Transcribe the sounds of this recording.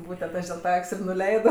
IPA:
ˈbuːtʲɛnt ˈɐʃ dʲɪlˠ ˈtɑː ˈɐkʲsʲ ɪr nʊˈlʲɛɪdoː

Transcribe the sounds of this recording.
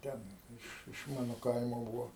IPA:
ˈtʲɛn ˈɪʃ ɪʃ ˈmɑːnoː ˈkɐɪmoː ˈbuːʋoː

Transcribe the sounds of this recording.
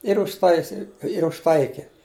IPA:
ɪr ʊʃˈtɐɪsʲɪ ɪr ʊʃˈtɐɪkʲɪ

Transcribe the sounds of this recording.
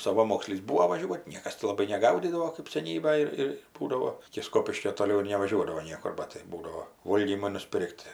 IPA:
sɐˈʋɑːmoːksʲlʲiːs ˈbuːoː ʋɐˈʒʲuɔtʲ ˈnʲiɛkɐs tʲɪ lˠɐˈbɐɪ nʲɛˈɡɐʊdʲiːdɐʋoː kɜp sʲɛˈnʲiːbɐj ɪr ɪr ˈbuːdɐʋoː ɪkʲɪ ˈskoːpʲɪʃʲkʲoː toːˈlʲɛʊ ɪr nʲɛʋɐˈʒʲuɔdɐʋoː ˈnʲiɛkʊr ˈbɐt tɐɪ ˈbuːdɐoː ˈʋoːlʲɡʲiːmoː nʊˈsʲpʲɪrʲkʲtʲ

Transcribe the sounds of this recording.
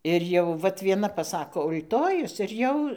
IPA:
ˈɪr jɛʊ ˈʋɐt ʋʲiɛˈnɐ pɐˈsɑːkoː ʊlʲˈtoːjʊs ɪr ˈjɛʊ

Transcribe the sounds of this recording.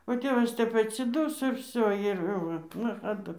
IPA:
oː ˈtʲeːʋɐs ˈtʲɛp ɐtʲsʲɪˈdʊsoː ɪr ˈʋʲsʲoː ɪr ˈʋɐ nɐxɐˈdʊ

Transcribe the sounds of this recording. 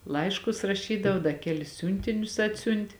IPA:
ˈlˠɐɪʃkʊs rɐˈʃʲiːdɐʋoː ˈdɐ ˈkʲæːlʲɪs ˈsʲuːnʲtʲɪnʲʊs ˈɑːtʲsʲʊnʲtʲ

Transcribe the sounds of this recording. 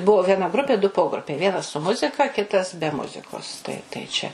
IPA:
ˈbʊʋoː ʋʲiɛˈnɐ ˈɡrʊpʲeː dʊ ˈpoːɡrʊpʲɛɪ ˈʋʲiɛnɐs sʊ ˈmʊzʲɪkɐ ˈkʲɪtɐs bʲɛ ˈmʊzʲɪkoːs tɐɪ tɐɪ ˈt͡ʃʲɛ

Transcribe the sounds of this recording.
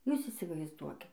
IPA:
ˈjuːs iːsʲɪʋɐɪzˈduɔkʲɪ

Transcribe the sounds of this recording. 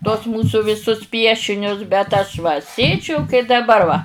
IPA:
tuɔs ˈmuːsʊ ʋʲɪˈsʊs ˈpʲiɛʃʲɪnʲʊs bʲɛt ˈɐʃ ʋɐ ˈsʲeːd͡ʒʲʊ kɐɪ dɐˈbɐr ʋɐ

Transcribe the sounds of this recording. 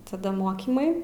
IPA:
tɐˈdɐ ˈmoːkʲiːmɐɪ

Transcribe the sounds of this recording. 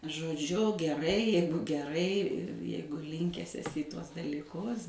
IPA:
ʒoːdʲˈʒʲʊ ɡʲɛˈrɐɪ ˈjɛɪɡʊ ɡʲɛˈrɐɪ ˈjɛɪɡʊ ˈlʲɪŋʲkʲæːs ɛˈsʲɪ ɪ ˈtuɔs dɐlʲiːˈkʊs

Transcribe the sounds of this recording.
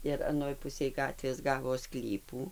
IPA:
ɪr ɐˈnoːj ˈpʊsʲeːj ˈɡɑːtʲʋʲeːs ˈɡɑːʋoː ˈsklʲiːpuː

